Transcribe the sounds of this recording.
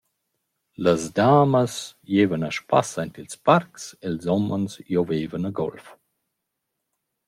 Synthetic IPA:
ləzdaːməsjeːvənəʃpa̰sajntilsparkselzɔmənsjoveːvənəɡɔ̰lf

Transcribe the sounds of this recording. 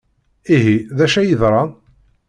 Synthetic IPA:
iɦiðæʃæjəðɾˤɑ

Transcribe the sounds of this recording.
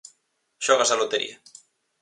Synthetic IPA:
ʃɔɣ̞asalot̪eɾḭa

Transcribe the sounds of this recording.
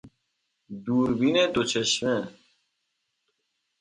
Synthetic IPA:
d̪uːɾbined̪ot͡ɕʰeɕme

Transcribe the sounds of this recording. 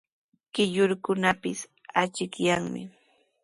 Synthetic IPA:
kɪʎʊɾkʊnapɪs | at͡ʃɪkjaŋmɪ̰

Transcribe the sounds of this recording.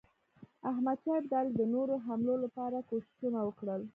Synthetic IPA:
aɦmad̪̚t͡ʃɑjɪb̚d̪ɑld̪ənoɾoɦamlolapɑɾakoʃɪ̥ʃunawəkɽəl

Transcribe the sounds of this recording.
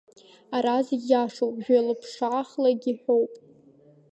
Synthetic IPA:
aɾazɡʲjaʂowpʼʒᶣalɨpʰʂʕaχlaɡʲiħʷowpʼ

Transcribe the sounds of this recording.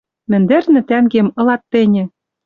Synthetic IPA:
mɘ̆nd̪ɘ̆rnɘ̆t̪æŋɡemɤ̆lɑt̪ːɘ̆nʲɘ̆

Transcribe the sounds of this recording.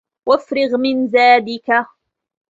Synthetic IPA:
wafɾɪɣmɪnzaːd̪ɪka

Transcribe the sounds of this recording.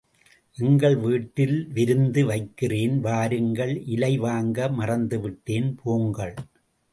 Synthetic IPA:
ʔɪŋɡɐɭʋiːʈːɪlʋɪɾɯnd̪ɯʋɐɪkːɪreːnʋaːɾɯŋɡɐɭʔɪlɐɪʋaːŋɡɐmɐrɐnd̪ɯʋɪʈːeːnpʰoːŋɡɐɭ

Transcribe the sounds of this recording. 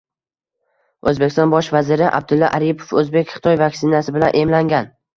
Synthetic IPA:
ɵzbekʲɪst̪ɒnbɒʃvazɪɾɪʔa̰b̚d̪ɪlːɒʔaɾipʰo̥fɵzbekʲχɪ̥t̪ʰɒjvakʲsɪnasɪbɪlanʔe̞mlaŋɡʲan

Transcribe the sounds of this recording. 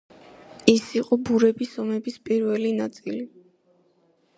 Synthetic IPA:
isiqʼɔbuɾɛbisɔmɛbispʼiɾvɛlinat̪sʼili

